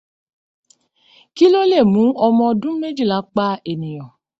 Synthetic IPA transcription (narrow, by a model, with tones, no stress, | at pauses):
ki˦lo˦le˦˨mũ˨˦ɔ˧mɔ̃˧dũ˦me˦d͡ʒi˦˨la˨˦k͡pa˦e˨nĩ˨j̃ɔ̃˨